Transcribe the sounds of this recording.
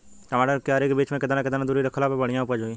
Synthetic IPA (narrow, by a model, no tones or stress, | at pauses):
kamaːɽakeaːɾekːbiːt͡ʃmẽkɪd̪aːnãkɪd̪aːnãd̪ʊɾiɾəkʰlaːpebəɽ̤ijãʊpəd͡ʒɦoːĩː